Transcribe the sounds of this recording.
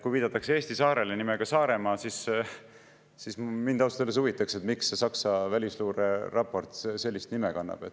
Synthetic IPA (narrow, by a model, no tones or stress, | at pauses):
kujviːd̪̥ɑt̪ːˑɑksee̞ːst̪isɑːɾe̞lenimeɡ̥ɑsɑːɾe̞mɑːsis | sismind̪ɑwst̪elːes̬uvit̪ːˑɑkse̞t̪miksse̞sɑksɑvælʲisluːɾerɑpːo̞rt̪se̞lʲːist̪nimekɑnːɑ̰b̥e̞t̪ː